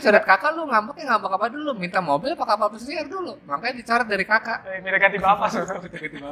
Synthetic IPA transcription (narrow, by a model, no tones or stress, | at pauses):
t͡ʃaɾət̪̚kakalʊŋambak̚jaŋambakapadulumint̪amobɪlpakapapəsiardulumaŋkadit͡ʃaɾət̪̚daɾikakamit̪aɡad̪ibapasamit̪akat̪ia